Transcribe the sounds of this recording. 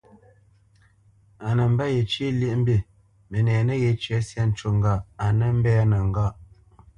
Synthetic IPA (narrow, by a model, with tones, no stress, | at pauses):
a˨nə˨m̩˦ba˦je˨t͡ʃe˦le˦ʔm̩˦bi˨ | mə˨nɛ˨nə˦ɣe˨t͡ʃɥɛ˨˦sja˦n̩˨t͡ʃo˨ŋ˦ɡa˦˨a˨nə˦m̩˦bɛ˦a˦nə˨ŋ̩˨ɡa˦˨ʔ